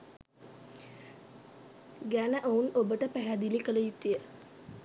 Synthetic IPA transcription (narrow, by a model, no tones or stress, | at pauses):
ɡænəʔounobəʈəpæɦæd̪ilikələjiʈ̪ːijə